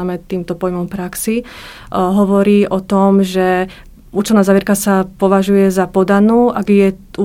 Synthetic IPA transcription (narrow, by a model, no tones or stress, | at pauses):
mɛt̪iːmt̪ɔpɔjmɔmpɾaksi | ɦɔʋɔɾiːʔɔt̪ɔmʒɛ | uːt͡ʃɛlnaːzaʋjɛɾkasapɔʋaʒujɛzapɔd̪anuːʔaɡjɛu